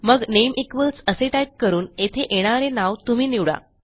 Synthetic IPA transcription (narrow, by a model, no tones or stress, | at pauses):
məɡnemʔikʋəlsəseʈajp̚kəɾuːnet̪ʰeʔeɽ̃aɾenaʋt̪um̤iːniʋɽa̰